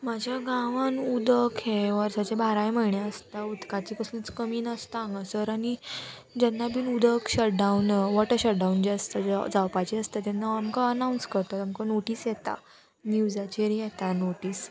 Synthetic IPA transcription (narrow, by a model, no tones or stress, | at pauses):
mad͡ʑʱjaɡãʋanud̪əkɦeʋəɾsat͡ɕebʱaɾajməɭɳjaəst̪aud̪kat͡ɕikəsũt͡skəmiːnəst̪ãŋɡəsəɾani | d͡ʑɛnːabiːnud̪ʱəkɕəʈ̚ɖaunʋɔʈəɕəʈ̚ɖaund͡ʑeəst̪ad͡ʑd͡zawpajt͡ɕeəst̪at̪ɛnːaamkaənawnskəɾt̪aamkanoʈiːsjɛt̪a̰ | niud͡ʑat͡ɕeɾijɛt̪anoʈiːs